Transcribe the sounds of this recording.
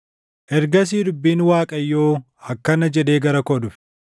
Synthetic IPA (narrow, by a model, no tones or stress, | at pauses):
ʔɛɾɡɐs̬iːd̪ʊbːiːnwaːkʼɐjːoː | hɐkːɐnɐd͡ʒɛd̪eːɡɐɾɐkɔd̪ʊf